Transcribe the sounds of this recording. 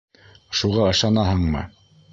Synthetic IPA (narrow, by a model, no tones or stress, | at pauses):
ʃuʁɑɤ̆ʃɑnɑɦɤɴmɤ̰